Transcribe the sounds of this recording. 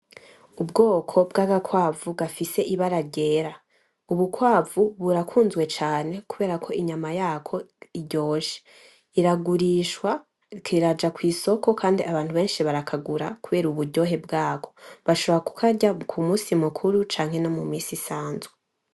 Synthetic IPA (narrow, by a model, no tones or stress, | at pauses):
ubɡo̞ːkʰo̞bɡaːɡakwaːvuɡafise̞ʔiβaɾaɟe̞ːɾa | uβukwaːvuβuɾakʰuːnzwe̞t͡ʃaːne̞kuβe̞ːɾakʰo̞ʔiɲamajaːkʰo̞iɟo̞ːʒe̥ | iɾaɡuɾiʃwa | kiɾad͡ʒakwiːso̞ko̞kʰaːndiaβaːnthuβe̞ːnʃiβaɾakʰaɡuɾakuβe̞ːɾuβuɾɟo̞ːɦe̞bɡaːko̞βaʃo̞βoɾaku̥kʰaɟakʰumuːsimukʰuɾut͡ʃaːŋ̥he̞nomumiːsisaːnzɡe